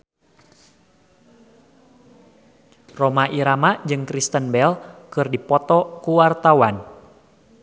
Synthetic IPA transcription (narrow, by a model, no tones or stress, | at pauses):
romaʔiɾamad͡ʒɨŋkɾist̪ənbɛlkɨrdipɔt̪ɔkuwart̪awan